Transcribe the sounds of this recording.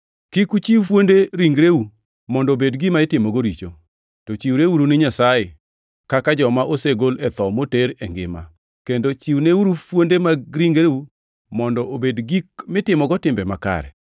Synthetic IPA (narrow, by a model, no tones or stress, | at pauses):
kikut͡ʃiwfwondeɾiŋɡɾeu | mɔndɔobedɡɪmaɪtɪmɔɡoɾit͡ʃo | tɔt͡ʃiwɾeuɾunɪɲasaje | kakad͡ʒɔmaʔoseɡolɛt̪ɔmoteɾeŋɡɪ̰ma̰ | kendot͡ʃiwneuɾufwondemaɾiŋɡɾeu | mɔndɔʔobedɡikmɪtɪmɔɡɔtɪmbɛma̰ka̰ɾɛ̰